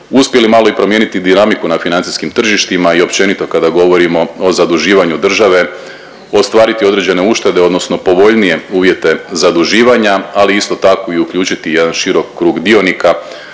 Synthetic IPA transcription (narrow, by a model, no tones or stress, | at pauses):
uspje̞limaːlo̞ipɾo̞mje̞ːnit̪id̪inamikunafinant̪si̥skimt̪r̩ʒiʃt̪imaio̞pt͡ɕe̞nit̪o̞kad̪aɡo̞ʋo̞ɾimo̞ozad̪uʒiːʋaɲud̪r̩ʒaʋe̞ | o̞st̪ʋaːɾit̪io̞d̪ɾe̞d͡ʑe̞ne̞uʃt̪e̞d̪e̞o̞d̪no̞sno̞po̞ʋo̞ʎnije̞uːʋje̞t̪e̞zad̪uʒiːʋaɲaaliist̪o̞t̪ako̞iukʎuːt͡ʃit̪ije̞d̪anʃiɾo̞kːɾuːɡd̪io̞nika